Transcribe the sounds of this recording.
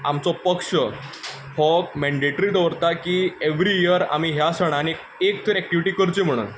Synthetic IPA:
a̰mt͡sɔpəkʂə | fɔk̚mæ̃ɳɖeʈɾid̪əʋɾt̪akiːeʋɾiiəɾa̰m̤iɦjasəɽ̃ane | ek̚t̪ʰəɾæk̚ʈiʋiʈiːkəɾt͡ɕim̤əɽ̃ṵːn

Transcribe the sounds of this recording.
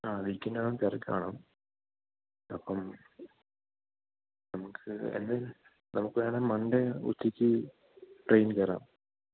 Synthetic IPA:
aːʋikʲːɐnːɐɭɐmkɐrɐkːa̰ːɳɐm | ɐpːɐm | nɐmukʰːɨḛnːe | nɐmukːɨʋeːɳemɐɳɖeṵt̪ʰːikʲːɨ | ʈrejnkɐːra̰ːm

